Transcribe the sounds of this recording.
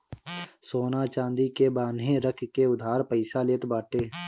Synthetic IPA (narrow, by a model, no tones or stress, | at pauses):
soːnaːt͡ʃãːnd̪ikebaːnɦẽɾəkʰkeʊd̪ʱaːɾpəɪsaleːt̪baːʈeː